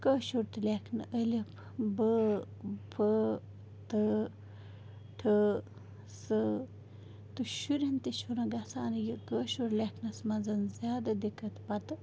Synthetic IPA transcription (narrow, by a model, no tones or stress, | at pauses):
kəːʃuɾt̪ɨlʲekʰnɨʔəlʲipʰ | bə | pʰə | t̪ə | ʈʰə | sɨ | t̪uʃuɾɐnt̪iʃunɐɡɐsaːnjikəːʃuɾlʲekʰnɐsmɐnzɐnzʲjaːd̪ɐd̪ikɐt̪pɐt̪ɨ